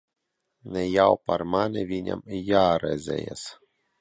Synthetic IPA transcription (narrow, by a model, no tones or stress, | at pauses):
nɛjawparmanɛvʲinʲa̰mjaɾɛzʲɛ̰jɛ̰s